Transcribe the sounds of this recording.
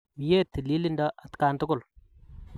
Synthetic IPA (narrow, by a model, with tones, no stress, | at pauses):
mi˨je˦t̪i˨li˦li˦nda˦ʔa˨t̪ka˨nt̪ʊ˦kʊ˦˨l